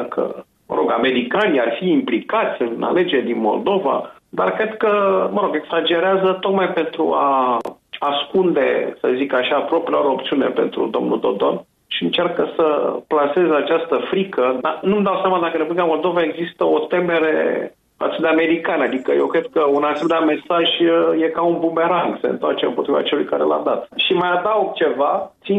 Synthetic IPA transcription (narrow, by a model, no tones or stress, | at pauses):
akʰə̰ | mə̰ɾʔo̞ɡame̞ɾikaniarfiːmplikat̪sʲɨna̰le̞d͡ʒe̞ɾd̪inmo̞̰ld̪o̞va̰ | d̪arkɾe̞d̪kəməɾo̞ɡe̞ɡsad͡ʒe̞ɾeazət̪o̞kmajpe̞nt̪ɾṵa̰ | askund̪e̞̰səzikaʃapɾopɾeaɾeopt̪siunepe̞̰nt̪ɾṵd̪o̞̰mnṵd̪o̞̰d̪o̞n | ʃiɨnt͡ʃarkəsəplase̞zeat͡ʃast̪əfɾikəd̪anumd̪awsʲjamad̪akəd̪impblʲikamo̞ld̪o̞vaeɡzist̪əo̞t̪e̞me̞ɾeḛ | fa̰t̪sud̪eame̞ɾikanad̪ikəjewkɾe̞d̪̚kəunasid̪ame̞saʒje̞kaunbumbe̞ɾaŋɡsḛnt̪oart͡ʃeɨ̰mpo̞t̪ɾiva̰t͡ʃelujkaɾḛla̰d̪at̪ʃimajad̪aok̚t͡ʃe̞vat̪si